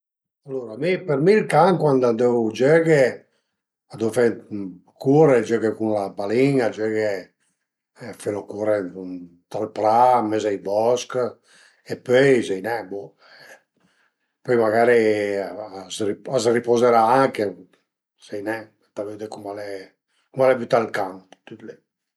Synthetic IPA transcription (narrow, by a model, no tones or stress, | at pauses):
alːoːɾamipeɾmilkaŋkwand̪ad̪ewd͡ʒøɡe | ad̪owfɛ | kuɾed͡ʒøɡekunlabaliŋad͡ʒeɡe | feɾokuːɾe | t̪alpɾamezajbɔsk | epːøjsejnɛbu | ɛ | pɔjmaɡaːɾi | sriazripozɛɾaaŋke | sejnɛ | t̪aled̪ɛkumalɛ | kumalɛvyt̪alkampt̪yt̪le